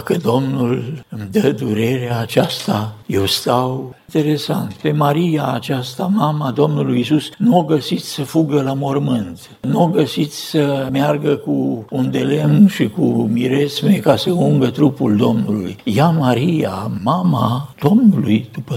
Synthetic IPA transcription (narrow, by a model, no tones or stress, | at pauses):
kəd̪o̞mnulɨmd̪əd̪uɾe̞ɾeaːt͡ʃast̪aje̞wst̪awit̪e̞ɾe̞sant̪pe̞maɾijaːt͡ʃast̪amamad̪o̞mnulujisusnuoɡəsit̪sʲsəfuɡəlamo̞rmɨnt̪ | nuoɡəsit̪sʲsəmjarɡəkuund̪e̞le̞mʃikumiɾe̞smekasəuŋɡət̪ɾupuld̪o̞mnulṵjjamaɾijamamad̪̥o̞mnulujd̪̥upə